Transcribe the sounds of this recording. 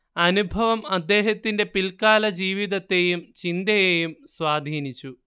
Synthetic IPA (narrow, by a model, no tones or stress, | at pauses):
ɐnubʱɐʋɐmɐd̪ːeːɦɐt̪ːinde̞pilkaːlɐd͡ʑiːʋid̪ɐt̪ːe̞ːjumt͡ɕind̪ɐjeːjumsʋaːd̪ʱiːnit͡ɕːu